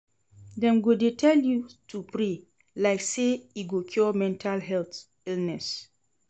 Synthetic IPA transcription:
dɛ̃mɡodetʰɛljutʰupɾe | laɪkseiɡokʰjɔmɛ̃ntʰalɦɛlt̪ | ilnɛs

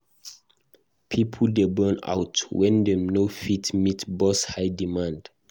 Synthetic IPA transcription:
pʰipʰldɛbɜna̰wtwɛ̃ndɛnofitmitbɔshajdimãnd

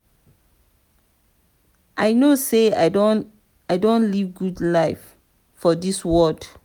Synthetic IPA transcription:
ʔaɪnose | aɪdõnlivɡudlaɪf | fɔdiswɔd

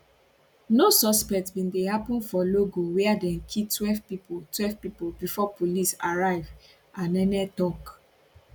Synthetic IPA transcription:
nosɔspɛk̚tbĩndehapɔ̃nfɔloɡowɛadɛ̃nkʰitwɛlvpipotwɛvpipobifɔpʰolisaɹaɪv | ãnɛnɛtɔk

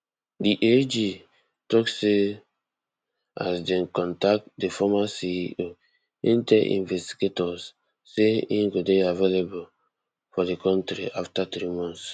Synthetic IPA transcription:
diʔed͡ʒi | tɔkse | a̰sdɛnkɔ̃ntak̚tdefɔmasiʔo | ĩntɛʔḭ̃nvɛsti̥ɡetɔsː | einɡodeavelebul | fɔdekʰɔ̃ntɾḭʔaftatɾimɔ̃ns

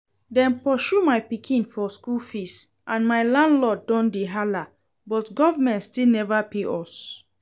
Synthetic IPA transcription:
dɛ̃npɔʃumaɪpikʰĩnfɔskulfist | ʔãnmaɪlãndlɔdɔ̃ndeɦala | bɔtɡɔvamɛ̃ntstilnɛvapeʔɔs

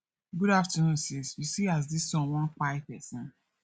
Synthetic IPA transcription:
ɡuɾaftɔnosisjusias̬disɔ̃mwɔ̃nfaɪpɛsɔ̃n

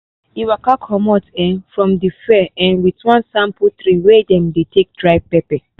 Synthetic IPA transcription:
iwakakʰɔmɔtɛ̃nfɹɔ̃mdifɛɛ̃nwitwãnsãmputɾiwedɛ̃mdetʰek̚dɹaɪpɛpɛ

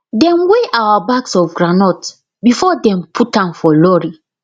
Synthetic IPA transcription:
dɛ̃mweʔawabaksɔfɡɹanɔt | bifɔdɛ̃mpʰutãmfɔlɔɹi

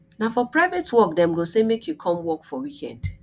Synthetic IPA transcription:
nafɔpɹaɪvetwɔkdɛ̃mɡosemekʰjukʰɔ̃mwɔkfɔwikʰɛ̰̃nd

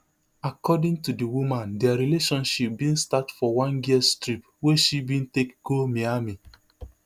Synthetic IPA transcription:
akɔdĩŋtudiwumãndɛaɹileʃɔ̃nʃip̚bĩnstatfɔwãnjistɹip | weʃibĩntekɡ̥omiami

